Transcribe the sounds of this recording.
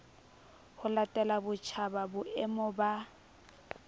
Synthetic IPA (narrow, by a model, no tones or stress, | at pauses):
hʊlatʼɛlabʊt͡ʃʰababʊʔɛmɔba